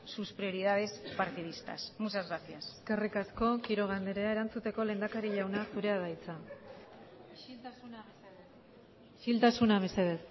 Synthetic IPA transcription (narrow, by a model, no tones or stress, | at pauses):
suspɾio̞ɾiðaðe̞spaɾt̪ið̞ist̪a̰smusazɣɾasiaseskerikasko̞kiɾo̞ɣ̞and̪eɾeaeɾant͡sut̪e̞ko̞le̞nd̪akaɾiʎawnasuɾe̞aðajt͡sa | sunae | ʃilt̪asunaβeseðet̪